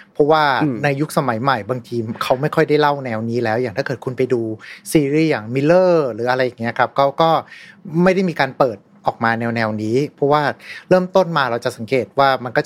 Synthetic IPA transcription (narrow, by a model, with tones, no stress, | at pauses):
pʰɔ˦˥waː˥˩na˧jːu˦˥k̚sa˧ma˩˦jma˨˩jbaː˧ŋt̪ʰiː˧kʰa˦˥wma˥˩jkʰɔ˥˩jda˥˩jla˥˩wnɛː˧wniː˦˥lɛː˦˥wjaː˨˩ŋʰaː˥˩kɤː˨˩t̪kʰu˧npa˧jduː˧siː˧ɾiː˥˩jaː˨˩ŋmi˧lːɤː˥˩ɾɯː˩˦ʔa˧ɾa˧jːa˨˩ŋːi˦˥ɐ˩kʰa˦˥p̚kɔ˦˥˩wkɔː˥˩ma˥˩jɾa˥˩jmiː˧kaː˧npɤː˨˩t̪̚ʔɔː˨˩k̚maː˧nɛː˧wnɛː˧wniː˦˥pʰɔ˦˥waː˥˩ɾɤː˥˩mt̪o˥˩nmaː˧ɾa˧wt͡ɕa˨˩sa˩˦ŋkeː˨˩t̪̚waː˥˩ma˧nkɔː˥˩